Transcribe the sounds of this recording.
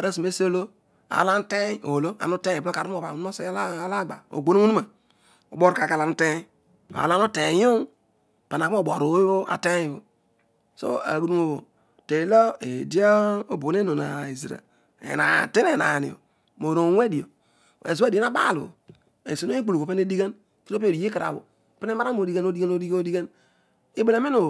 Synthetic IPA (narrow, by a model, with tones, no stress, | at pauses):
a˨ɾa˦su˨me˦so˦lo˦ | a̰˨la˦n˦te˦o̰˨lo˦a̰˨nu˦te˦˨˦o˦ka˨ɾu˦o˨ba˨˦o˦se˦lla˦˨ɡ͡ba˨o̰˨ɡ͡bo˦nu˦u˦nu˦a˨ | o̰˨bo˦ɾka˨ka˨la˨nu˦te˦ | a̰˨la˦nu˦te˨jo˦˨ | pa˨na˨kːbo˨ɾo˨˦bo˦a̰˨te˦i˨bo˨ | so̰˦a̰˨ɡu˨nu˦o˨ | te˨lo˦e˨di˦o˦o˦bo˨˦e˦no˨na˨i˨zi˨ɾa̰˨ | ḛ˨na̰˨te˦ne˨na̰˨nḭ˨o̰˨ | mo˨ɾo˨˦wʷe˦di˨o̰˨ | ḛ˨zdi˨e˦a˦ba̰˦˨lṵ˨ | ḛ˨so˨no˦i˦k͡pu˦lu˨o˨pe˦ne˦di˦ɡa˦n | ki˦ɾo˦pi˦o˨i˨je˦ki˨ɾa̰˨wo̰˨ | pi˦ne˦a˦ɾa˦o˨di˦ɡa˦no˦di˦ɡa˦no˦di˦ɡa˦o˦di˦ɡa˦n | i˦be˦la˨˦mi˦no˨